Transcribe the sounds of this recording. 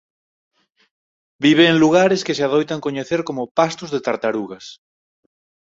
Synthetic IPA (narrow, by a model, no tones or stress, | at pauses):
biβ̞eːŋluɣ̞aɾeskeseaðojt̪aŋkoɲeθeɾkomopast̪ozðet̪aɾt̪aɾuɣas